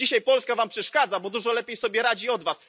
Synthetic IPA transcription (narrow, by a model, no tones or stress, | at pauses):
iɕajpɔlskavampʂɛʂkad̪zabɔd̪uʐɔlɛpʲjejsɔbʲjɛɾad͡ʑiɔd̪vas